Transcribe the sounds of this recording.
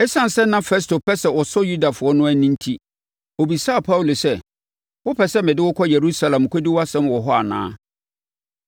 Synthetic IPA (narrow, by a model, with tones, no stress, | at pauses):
ɛ˦sã˦n˨sɛ˦nːã˦fɛ˦s̬to˨pʰɛ˦sɛ˦wɔ˨sɔ˦ju˦da˨fʊ˨ɔ˦nʊ̃˦æ˦nĩ˦n̩˦tʰi˦ | o˨bi˨saː˦˨pʰa˦wu˨lo˨sɛ˦ | wʊ˦pʰɛ˨sɛ˦mɪ̃˨dɪ˦wʊ˦kʰɔ˦je˨ɾu˦sa˨lã˨m˨kʰɔ˦dɪ˦wa˦sɛ̃˦mwɔ˨ɦɔ˦a̰˨nã̰ː˦